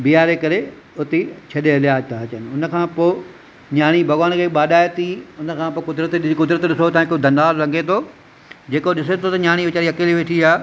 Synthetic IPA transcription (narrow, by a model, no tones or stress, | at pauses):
bijaːɾekɐɾe | ʊt̪et͡ɕʰɐɗeɦɐlɪjaːt̪ʰaɐt͡ɕənɪ̆ʊnə̆kʰãːpoː | ɲaːɽ̃ibʱɐɣaːñkʰeːɓaːɗaːet̪ʰiʊnə̆kʰãːpoːkʊd̪ɾət̪kʊd̪ɾət̪ɗɪsot̪ãːkːod̪ʱɐ̃nd̪aːlɾɐ̃ŋɡʱet̪ʰoː | d͡ʑeːkoɗɪset̪ʰot̪ɐɲaːɽ̃iʋɪt͡ɕaːɾiɐkeːliʋeːʈʰiaː